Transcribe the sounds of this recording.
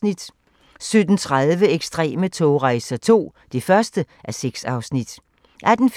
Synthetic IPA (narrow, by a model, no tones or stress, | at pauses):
nid̥ | sød̥n̩t͡sʰʁɑðˠʋəeɡ̥sd̥ʁɛ̰ːmət͡sʰɔːʁɑ̈ɪsɐt͡sʰo̝̰ː | d̥ifɶɐsd̥əʔæseɡ̥sɑ̈ʊsnid̥ | ʔæd̥n̩f